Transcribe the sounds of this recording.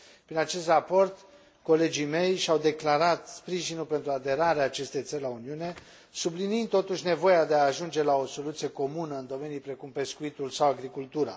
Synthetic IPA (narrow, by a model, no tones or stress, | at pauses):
pɾinat͡ʃe̞st̪rapo̞rt̪ | ko̞le̞d͡ʒime̞jʃawd̪e̞klaɾat̪spɾiʒinulpent̪ɾuad̪e̞ɾaɾeaːt͡ʃe̞st̪e̞jt̪səɾlauniune̞ | sublinind̪̚t̪o̞t̪uʃʲne̞vo̞jad̪e̞aːʒund͡ʒe̞lao̞so̞lut̪sije̞ko̞munəɨnd̪o̞me̞nijpɾe̞kumpe̞skuit̪ulsawaɡɾikult̪uɾa̰